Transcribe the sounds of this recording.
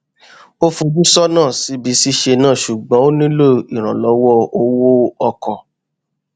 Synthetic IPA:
o˦fu˧d͡ʒũ˦sɔ˦nãː˦˨si˨˧˦bi˧˦si˦ʃe˧nãː˦˨ʃu˨ɡ͡bɔ̃˨˦o˦nĩ˦lo˦˨i˨ɾ̃ã̰˨lɔ˨˦wɔ˦o˧wo˦ɔ˧kɔ̃˨

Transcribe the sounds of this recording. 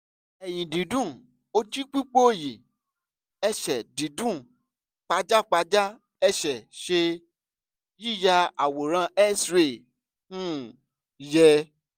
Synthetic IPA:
ɛ˨j̃ĩ˨dĩ˨˦dũ˦˨ | o˧ti˦k͡pi˦k͡po˦˨je˨ | ɛ˧ʃɛ˨dĩ˨˦dũ˦˨ | k͡pa˧d͡ʒa˦k͡pa˧d͡ʒa˦ | ɛ˧ʃɛ˨ʃe˧ | ji˦˨ja˧a˨wo˨ɾ̃ã˧˦ɛ˦sɾe˦˨ | nũ˦ | jɛ˧

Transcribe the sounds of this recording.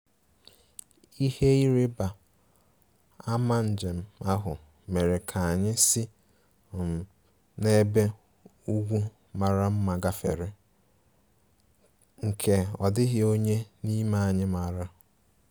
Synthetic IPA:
i˦he˦i˦ɾɪ˦ba˨ | a˦ma˦n̩˨d͡ʒe˨m̩˨a˦ɦʊ˨ | me˨ɾe˨kʰa˨a˨ɲɪ˦si˦˨ | m̩˨ | ne˦be˦ | u˦ɡʷu˦ | ma˨ɾa˦m̩˦ma˨ɡa˦fe˨ɾɪ˦ | ŋ̩˨kʰe˨ɔ˨dɪ˦ɦɪ˦o˦ɲe˦ni˦ma˦˨a˨ɲɪ˦ma˨ɾa˦

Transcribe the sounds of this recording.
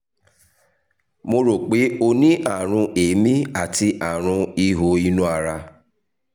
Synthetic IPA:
mo˧ɾo˨k͡pe˨˦o˧nĩ˦ʔa˦˨ɾ̃ũ˧ʔe˨˦mĩ˦a˨ti˧ʔa˨ɾ̃ũ˧i˧ɦo˨˦i˦nũ˦a˧ɾa˧

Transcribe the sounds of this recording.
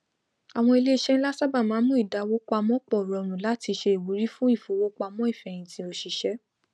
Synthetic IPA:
a˨w̃ɔ̃˧i˧le˦i˧˦ʃɛ˦n̩ĩ˦la˦sa˦ba˦˨mãː˨˦mũ˦i˦˨da˨˦wo˦k͡pa˧mɔ̃˦k͡pɔ˦˨ɾɔ˧˨ɾ̃ũ˨la˦ti˧ʃe˧e˨wu˨˦ɾi˦fũ˦i˦˨fo˨˦wo˦k͡pa˧mɔ̃˦i˦˨fɛ˨j̃ĩ˧tĩ˧˦o˧ʃi˨˧ʃɛ˦

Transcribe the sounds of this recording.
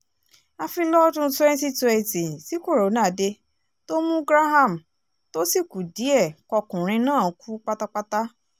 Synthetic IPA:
a˧fi˧lɔ˦dũ˦tɛ̃˦n˦ti˦tu˧e˨ti˨si˨˦ko˦˨ɾo˨˦nã˦˨˦de˧ | to˦mũ˦bɾa˦ɦa˦˨m̩˨ | to˦si˦˨ku˨di˨˦ɛ˦˨kɔ˧kũ˨ɾ̃ĩ˧nãː˦˨˧kʰu˦k͡pa˦ta˦k͡pa˦ta˦

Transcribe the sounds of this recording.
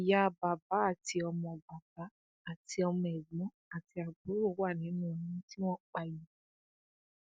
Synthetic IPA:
i˨ja˨˦˧ba˨ba˨˦a˦˨ti˧ɔ˧mɔ̃˧ba˨ba˨˦ | a˦˨ti˧ɔ˧mɔ̃˨ɛ˨ɡ͡bɔ̃˨˦a˦˨ti˧a˨bo˨˦ɾo˦˨˦wa˦˨nĩ˨˦nũ˦˨nĩ˦ti˦w̃ɔ̃˦k͡pa˧ji˨˦

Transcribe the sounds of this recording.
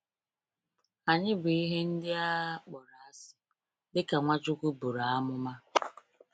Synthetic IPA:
a˨ɲɪ˦bi˦ɦe˦n̩˦dɪ˦a˦k͡pɔ˨ɾa˨a˦sɪ̥˦ | dɪ˦ka˨ŋʷa˦t͡ʃʊ˦kʷu˦bu˨ɾa˨a˦mʊ˦ma˦

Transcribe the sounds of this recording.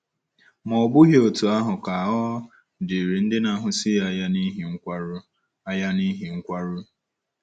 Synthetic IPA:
mɔ˨bʊ˦ɦjo˨tu˨a˦ɦʊ˨ka˨ɔ˦ | dɪ˨ɾi˨n̩˦dɪ˦na˨˦˨ɦʊ˨sɪ˦ja˨˦ja˦ni˦ɦi˨ŋ̩˦kʷa˦ɾ | a˦ja˦ni˦ɦi˨ŋ̩˦kʷa˦ɾʊ˦

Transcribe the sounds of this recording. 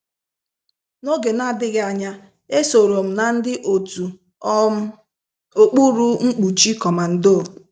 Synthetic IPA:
no˦ɡe˨na˦˨dɪ˦ɣɪ˦a˨ɲa˦ | e˦so˨ɾo˨m̩˨na˨n̩˦dɪ˦ʔo˨tu˨˦ | o˦k͡pu˦ɾu˦ŋ͡m̩˦k͡pu˨t͡ʃi˦kɔ˨ma˨n̩˨do˦˨

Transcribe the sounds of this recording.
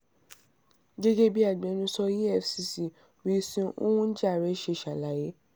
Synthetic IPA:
ɡe˦ɡe˦bi˦a˦˨ɡ͡bɛ̃˨˦nũ˦sɔ˦ji˦ɛ˦˨fsi˧˦si˨ | wi˦sĩ˦ṵ̃˦wũ˦d͡ʒa˦˨ɾɛ˨˦ʃe˧˨ʃa˨la˨˦je˦

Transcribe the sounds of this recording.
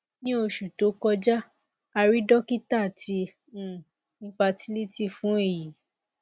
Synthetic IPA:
nĩ˦o˧ʃu˨to˨˦kɔ˧d͡ʒa˦ | a˧ɾi˦dɔ˦ki˦ta˦˨tʰi˧˦ | n̩˦fa˧ti˦li˦ti˦˨fũ˨˦e˦˨ji˨˦

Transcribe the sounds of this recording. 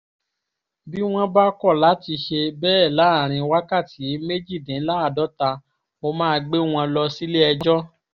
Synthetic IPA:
bi˦w̃ɔ̃˦ba˦kɔ˦˨la˨˦ti˧ʃe˧bɛː˦ɛ˦˨la˨˦˨ɾ̃ĩ˧wa˦ka˦˨ti˨˦me˦d͡ʒi˦˨dɛ̃˨˦la˦a˨dɔ˨˦ta˧ | mo˧mãː˦˧ɡ͡be˦w̃ɔ̃˧lɔ˧si˦le˦ɛ˧d͡ʒɔ˦

